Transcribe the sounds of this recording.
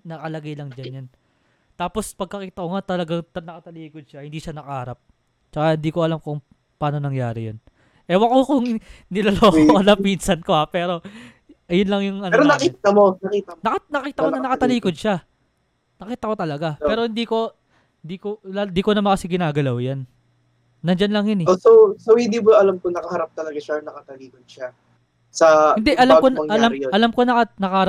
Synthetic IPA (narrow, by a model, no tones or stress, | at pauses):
nɐkɐlɐɡajlɐŋd͡ʒɐnjan | t̪aːpo̞spɐɡ̚kːɐkiːt̪ɐkoŋat̪ɐlɐɡaŋt̪ɐnɐkɐt̪ɐliːkod̪̚ʃahɪnd̪iːʃanɐkɐʔːɾap̚ | t͡ʃɐkahɪnd̪iːkoʔɐlamkʊŋ | paːno̞nɐŋjaːɾɪjon | ʔɛwɐkokoŋnɪlɐloːkoʔɐlɐpinsɐnkoapɛːɾo̞ | ʔɐjʊnlɐŋjʊŋʔɐnɾonɐkit̪ɐmonɐkiːt̪ɐnɐnɐkiːt̪ɐkonɐnɐkɐt̪ɐliːkod̪̚ʃa | nɐkiːt̪ɐko̞t̪ɐlɐɡapɛːɾo̞hɪnd̪iːko̞ | hɪnd̪iːkoland̪iːkonɐmɐnkɐsɪɡɪnaːɡɐlawjanː | ɐd͡ʒanlɐŋjɐnɛosowsowhɪ̃nd̪iːboɐlamkonɐkɐhɐɾap̚t̪ɐlɐɡaʃanɐkɐt̪ɐliːkod̪̚ʃa | sɐhɪnd̪ɛʔɐlamkoʔɐlamɐlɐmko̞nɐkɐnɐkɐhɐɾ